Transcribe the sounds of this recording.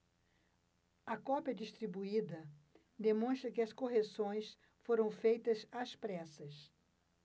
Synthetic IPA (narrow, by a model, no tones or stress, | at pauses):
ɐkɔpjɐd͡ʒist̪ɾibuid̪ɐ | d̪emõst̪ɾɐkɪɐskoɦesõj̃s | foɾɐ̃w̃fejt̪ɐzaspɾɛsɐs